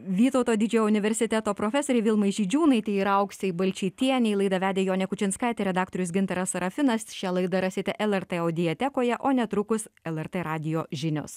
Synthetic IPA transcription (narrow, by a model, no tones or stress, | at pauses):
ʋʲiːt̪oʊt̪oːd̪ʲɪd͡ʒʲɛjoʊnʲɪʋʲɛɾʲsʲɪt̪ʲæt̪oːpɾoːfʲɛsoːɾʲɛɪʋʲɪlˠmɐɪʒʲiːd͡ʒʲuːnɐɪt̪ʲɛɪiɾɐʊksʲɪbɐlʲt͡ʃʲiːt̪ʲiɛnʲɛɪlˠɐɪd̪ɐʋʲæːd̪ʲeːjoːnʲɛkʊt͡ʃʲɪnskɑɪt̪ʲɛɾʲɛd̪ɑːk̚t̪oɾʲʊsɡʲɪnt̪ɐɾɐsɐɾɐfʲɪnɐsʃʲɛlˠɐɪd̪ɐɾɐsʲɪt̪ʲɛʔɛlʲˠɛɾt̪ɛɐʊd̪ʲɪjɛt̪ʲɛkoːjɛʔoːnʲɛt̪ɾʊkʊsɛlʲˠɛrt̪eɾɑːd̪ʲɪjoːʒʲɪnʲʊ̰s